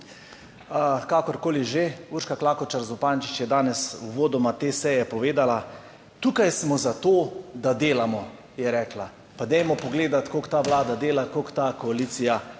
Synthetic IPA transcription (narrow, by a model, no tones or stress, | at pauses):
əkakɔɾkoːliʒeuɾʃkaklaːkɔt͡ʃaɾzɔpant͡ʃi̥t͡ʃjɛd̪aːnɛsuʋoːd̪ɔmat̪eːsɛjɛpɔʋeːd̪ala | t̪uːkajsmɔzat̪oːd̪ad̪eːlamɔ | jɛɾɛːkla | pad̪ɛjmɔpɔɡleːd̪at̪kokt̪aʋlaːd̪ad̪eːlakokt̪akɔaliːt̪sija